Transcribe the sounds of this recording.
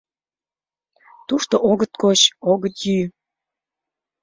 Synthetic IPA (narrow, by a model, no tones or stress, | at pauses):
t̪uʃt̪oʔoɣət̪̚koɕoɣət̪jyj